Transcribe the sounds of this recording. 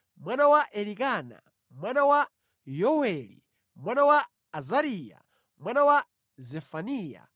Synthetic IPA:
mwanawaʔɛlikaːna̰ | mwanawa | jɔwɛlḭ | mwanawaː | zaɾiːja̰ | mwanawa | zɛfaniːja̰

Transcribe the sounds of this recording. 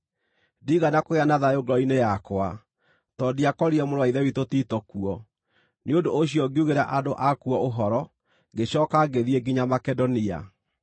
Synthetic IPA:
diːɣanakoeanaðajoɡɔinejakwa | tɔdiakɔɾiɛmoɾowaiðɛwitotitɔkuɔ | neodoːɕiɔɡeuɣeɾaʔadoʔakuɔoɦɔɾɔ | ɡeɕɔːkaɡeðiɛɡiɲamakɛdɔnia̰

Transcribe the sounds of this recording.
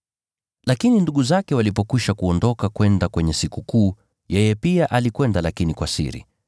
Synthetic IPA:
lakininduɠuzakɛwalipɔkiʃakuɔndɔkakwɛndakwɛɲɛsikukuː | jɛjɛpiaʔalikwɛndalakinikwasḭɾḭ

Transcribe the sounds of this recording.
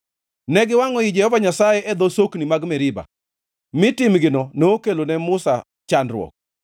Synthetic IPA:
nɛɡɪwaŋɔid͡ʒɛhɔvaɲasajɛʔɛd̪osoknimaɡmɛɾɪba̰ | mɪtɪmɡɪnɔnoːkelonɛmʊsa̰ | t͡ʃandɾwɔ̰k̚

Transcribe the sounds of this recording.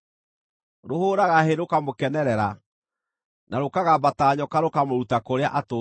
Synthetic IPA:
ɾohoːɾaɣaɦeɾokamokɛnɛɾɛɾa | naɾokaɣabataːɲɔkaɾokamoɾutakoɾeaʔato

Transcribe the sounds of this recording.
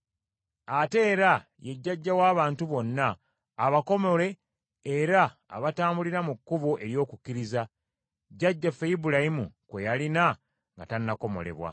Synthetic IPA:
ate̞ːɾa | je̞ɟːaɟːawaːβaːntuβo̞nːaː | βako̞mo̞le̞ː | ɾa̰ːβataːmbuliɾamukːuβoʔe̞ɾjo̞ːkukːiɾiza | ɟːaɟːafejibulajimṵkwe̞jalina | ŋɡa̰tanːako̞mo̞̰le̞̰βwa̰

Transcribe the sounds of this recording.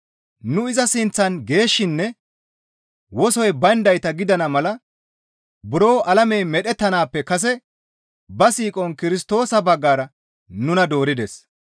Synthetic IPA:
nʊɪzɐsɪnt͡sːɐnɡe̞ːʃːɪnːɛ | wɔsɔjbɐnd̪ɐjt̪ɐɡɪd̪ɐnɐmɐlɐ | bʊɾo̞ːʔɐlɐmejmɛɗɛt̪ːɐnaːpːɛkɐs̬ɛ | bɐsiːkʼɔnkɪɾɪst̪o̞ːsɐbɐɡːaːɾɐ | nʊnɐd̪o̞ːɾɪd̪ɛs

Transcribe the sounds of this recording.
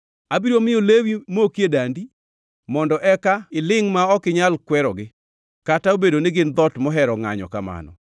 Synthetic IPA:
abiɾomɪjolewimokjedandi | mɔndɔʔɛkaɪlɪŋmaɔkɪɲalkwɛɾɔɡɪ | kataobedonɪɡɪnd̪ɔtmɔɦɛɾɔŋa̰ɲɔ̰kama̰nɔ̰

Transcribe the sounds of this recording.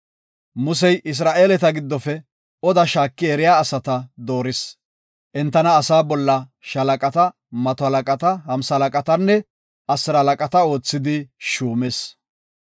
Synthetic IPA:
mʊs̬ɛjʔɪs̬ɾaːʔe̞ːlɛt̪ɐɡɪd̪ːɔfɛ | ɔd̪ɐʃaːkːɪɛɾɪjaːsɐt̪ɐd̪o̞ːɾɪs | ʔɛnt̪ːɐnɐːsaːbɔlːɐ | ʃɐlɐkʼɐt̪ɐ | mɐt̪ɔhɐlɐkʼɐt̪ɐhɐmsɐlɐkʼɐt̪ɐnːɛ | ʔɐsːɪɾɐhɐlɐkʼɐt̪ɐo̞ːt͡sːɪd̪ɪʃuːmɛs

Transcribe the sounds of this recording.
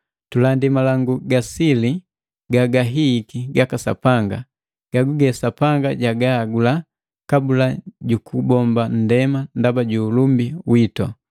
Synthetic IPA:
tulandimalaŋɡuɡasili | ɡaɡaɦikiɡakasa̰paŋɡa | ɡ̥aɡuɡɛsapaŋɡaɟaɡaːɡula | kabulaɟukubɔmban̩dɛmandabaɟuːlumbiwitɔ̰

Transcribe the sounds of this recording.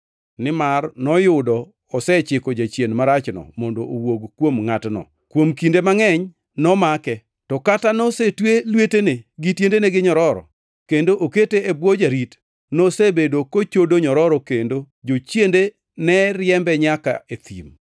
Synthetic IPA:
nɪmarnɔjʊdɔ | ɔsɛt͡ʃɪkɔd͡ʒat͡ʃjenmaɾat͡ʃnɔ̰mɔndoʔowoɡkwomŋatnɔ̰ | kwomkindemaŋɛɲ | nɔmakɛ | tɔkatanosetwelweteneɡɪtjendeneɡɪɲɔɾɔɾɔ̰ | kendoʔoketeebwod͡ʒaɾit | nosebedokot͡ʃodoɲɔɾɔɾɔkendo | d͡ʒot͡ʃjende | nɛɾjɛmbɛɲaka̰et̪ḭm

